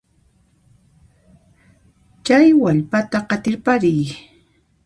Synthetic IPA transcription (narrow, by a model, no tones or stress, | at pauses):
t͡ʃajwaʎpat̪aqɑt̪ɪɾpaɾɪj